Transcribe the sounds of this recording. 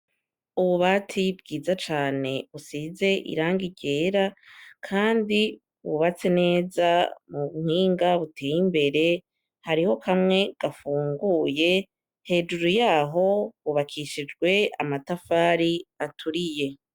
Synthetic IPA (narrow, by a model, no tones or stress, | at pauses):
uβuβatʰibɡiːzat͡ʃaːne̞βusiːze̞ʔḭɾaːŋɡiɟe̞ːɾakʰaːndi | βuβat͡se̞ne̞ːzamuβumhiːŋɡaβutʰeːjimbe̞ɾe̞ | haɾiho̞kʰamŋe̞ɡ̥afuːŋɡuːje̞ | he̞ːd͡ʒuɾujaːɦo̞βuβakʰiʃid͡ʒɡwe̞a̰matafaːɾiatʰuɾije̞